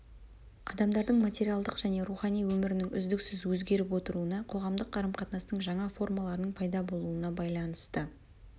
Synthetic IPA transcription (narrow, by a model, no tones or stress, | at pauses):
ɑ̰d̪ɑmd̪ɑɾd̪əɴmat̪ʲe̞ɾʲijalˠd̪əqʒ̥æne̞ɾuχɑnijwɵmɪɾɪnɪŋʏ̰zd̪ɪksɪzwɵzɡʲe̞ɾɪpwo̞t̪əɾuənɑqʰo̞ʁɑmd̪əqʰːɑɾəmqʰɑt̪nɑsnəɴʒɑɴɑfo̞rmɑlˠɑɾənəɴpʰɑjd̪ɑbo̞lˠuənɑbɑjlˠɑnəst̪ə